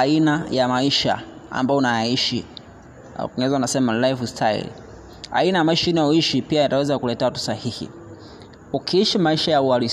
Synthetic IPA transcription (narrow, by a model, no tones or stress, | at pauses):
ainajamaiʃa̰a̰mbaɔunajaiʃḭ | kɔŋɡɛzaunasɛmalajfstʰaḭl | a̰inajamaiʃainaɔiʃipiajatawɛzakulɛtɛtu̥sahihḭ | ukʰiiʃimaiʃajauaɾi